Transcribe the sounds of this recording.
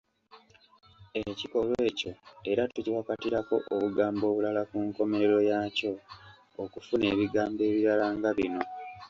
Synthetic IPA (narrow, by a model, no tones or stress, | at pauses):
eciko̞lwe̞ːco̞e̞ɾatuciwakatiɾako̞ʔoβuɡaːmbo̞ːβulalakuŋko̞me̞ɾe̞ɾo̞jaːco̞ː | kufune̞ːβiɡaːmbe̞ːβiɾalaːŋɡaβino̞